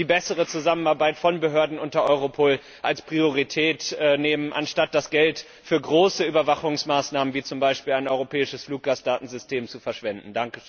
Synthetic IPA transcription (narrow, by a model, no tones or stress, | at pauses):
d̥iːbɛsəʁət͡suzamənaɐbaɪtfɔnbəɦøːɐdn̩ʔʊntɐʔɔʏʁopʰoːl | ʔalspʁ̥ioʁ̞itʰɛːtʔɛːneːmənʔa̰nʃtat̚d̥asɡ̥ɛlt | fyːɐɡʁoːsəyːbɐvaχʊŋsmaːsnaːmənviːt͡sʊmbaɪʃpiːlaɪnʔɔʏʁopʰɛːɪʃəsfluːk̚ɡ̥aːsd̥aːtn̩zʏstʰeːmt͡sufɛɐʃv̥ɛndn̩daŋkəʃø